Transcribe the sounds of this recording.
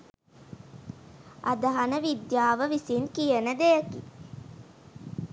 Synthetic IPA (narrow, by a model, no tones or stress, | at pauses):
a̰d̪əɦanəʋid̪jaːʋəʋisinkijənəd̪ejəki